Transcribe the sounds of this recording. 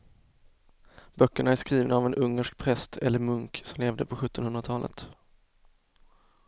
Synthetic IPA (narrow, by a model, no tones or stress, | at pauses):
bœkːəɳaæʂkɾiːvnaːvɛnʔɵŋːəʂk̚pʰɾɛst̪ʰɛlːəɾmɵŋksɔmleːvd̪əpʰɔɧɵt̪ːɔnhɵnd̪ɾat̪ʰɑːlʔə̰t̪